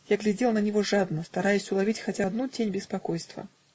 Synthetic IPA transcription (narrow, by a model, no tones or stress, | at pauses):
jaɡlʲɪdʲelˠnənʲɪvoʐad̪nəst̪ɐɾajʊsʲʊlˠavʲitʲxɐtʲad̪nutʲenʲbʲɪspakojst̪və̰